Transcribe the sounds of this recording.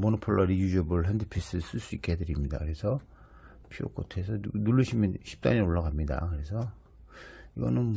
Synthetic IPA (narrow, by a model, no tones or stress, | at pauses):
monopʰoɭːʌɾijud͡ʑʌbɯɭɦendɯpʰis͈ɯs͈ɯɭs͈uik͈eedɯɾimɲida̰kɯɾe̞sʰʌ | pʰio̰k͈otʰe̞sʰʌnuɭːɯɕʰimjʌnɕʰi̥p̚t͈a̰ɲioɭːaɣamɲida̰kɯɾe̞sʰʌ | iɡʌnɯn